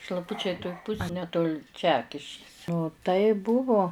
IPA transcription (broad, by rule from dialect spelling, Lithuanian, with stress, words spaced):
ʃlˠɐˈpʊt͡ʃʲɛɪ toːj ˈpʊs ɐ nʲɛˈtoːlʲɪ ˈt͡ʃʲæːkʲɪʃʲkʲɪs tɐɪ ˈbʊʋoː